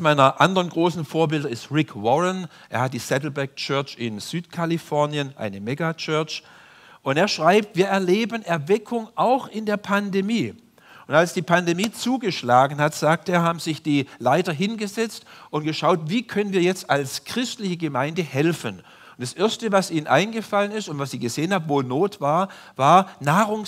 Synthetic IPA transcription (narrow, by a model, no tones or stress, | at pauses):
maɪnɐʔandəʁənɡʁoːsn̩foːɐbɪldɐɪstʁɪkʰwɔʁənʔḛːɐhat̚d̥iːsɛtl̩bɛɐɡ̚t͡ʃœɐt͡ʃɪnz̥yːtkʰalifɔɐnjənʔa̰ɪnəmɛɡat͡ʃœɐt͡ʃ | ʔʊnteːɐʃʁ̥aɪp̚tviːɐɛɐleːbənʔɛɐvɛkʰʊŋʔaʊxɪndeːɐpʰandemiː | ʊntalsd̥iːpʰandemiːt͡suːɡəʃlaːɡŋ̩hatz̥aːk̚teːɐɦaːbm̩zɪçd̥iːlaɪtɐɦɪnɡəzɛt͡stʊntɡ̥əʃaʊtviːkʰœnənviːɐjɛt͡stalskʁ̥ɪstlɪçəɡəmaɪndəhɛlfən | ʊntd̥asʔɪɐstəvasʔiːnənʔa̰ɪnɡəfalənɪstʊntv̥asɪːɡəzeːənhaːbvoːnoːtv̥aːɐ | vaːɐnaːʁʊŋ